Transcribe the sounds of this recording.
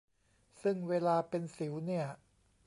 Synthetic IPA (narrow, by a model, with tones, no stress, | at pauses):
sɯ˥˩ŋweː˧laː˧pe˧nsi˩˦wni˥˩ɐ